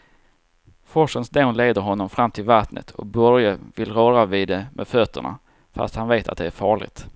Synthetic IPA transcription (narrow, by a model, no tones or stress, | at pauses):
fɔʂənsd̪enleːd̪əɾɦɔnːɔmfɾamːt̪ʰɪlvat̪nə̰t̪ʰɔ̰k̚bœɾjəvɪlɾœːɾavɪd̪ɛmʔɛ̰d̪fœt̪ːə̰ɳa̰ | fa̰st̪hanveːt̪ʰa̰t̪̚d̪ɛæɾfɑːɭɪ̰ɡt̪